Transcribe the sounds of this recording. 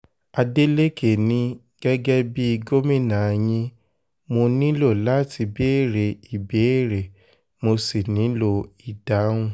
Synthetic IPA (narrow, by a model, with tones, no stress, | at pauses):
a˧de˦le˦kʰe˦˨nĩ˦ | ɡ̥ɛ˦ɡɛ˦bi˦i˧ɡo˦mĩ˦˨nã˨˧j̃ĩ˧ | mo˧nĩ˦lo˦˨la˦ti˧be˦e˦˨ɾe˨i˨be˨˦e˦˨ɾe˨ | mo˧si˨nĩ˨˦lo˧i˨d̥a˨˦w̃ũ˦˨